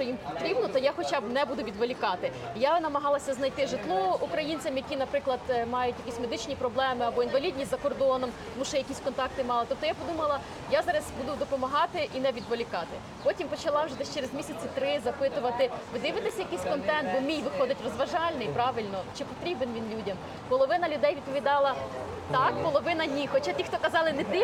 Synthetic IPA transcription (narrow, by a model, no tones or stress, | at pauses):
t͡ʃɔjimpɔt̪ɾʲibnɔt̪ɔjaxɔt͡ʃabnɛbud̪ʊʋʲid̪ʋɔlʲikɑt̪ɪ | janɐmɐɦɑlˠɐsʲɐznɐjt̪ɪʒɪt̪lˠɔukɾɐjinʲt͡sʲɐmjɐkʲinɐpɾɪklˠɐd̪mɑjʊtʲjɐkʲisʲme̞d̪ɪt͡ʃnʲipɾɔblˠɛmɪɐbɔinʋɐlʲidʲnʲisʲzɐkɔrd̪ɔnɔmt̪ɔmuʃt͡ʃɛjɐkʲisʲkɔnt̪ɑk̚t̪ɪmɑlˠɪt̪ɔp̚t̪ɔjapɔd̪umɐlˠɐ | jazɑɾɐzʲbud̪ʊd̪ɔpɔmɐɦɑt̪ɪʔinɛʋʲid̪ʋɔlʲikɑt̪ɪ | pɔtʲimpɔt͡ʃɐlˠɑwʒɛd̪ɛʃt͡ʃeɾezmʲisʲɐt͡sʲɪt̪ɾɪzɐpɪt̪ʊʋɐt̪ɪʋɪd̪ɪʋɪt̪ɪsʲɐjɐkɪjsʲkɔnt̪ɛnt̪̚bɔmʲijʋɪxɔd̪ɪtʲrɔzʋɐʒɑlʲnɪjpɾɑʋɪlʲnɔt͡ʃɪpɔt̪ɾʲibenʋʲinlʲudʲɐm | pɔlˠɔʋɪnɐlʲʊd̪ɛjʋʲid̪̚pɔʋʲid̪ɑlˠɐ | t̪ɑkpɔlˠɔʋɪnɐdʲnʲixɔt͡ʃatʲixt̪ɔkɐzɑlˠɪnɛt̪ɪ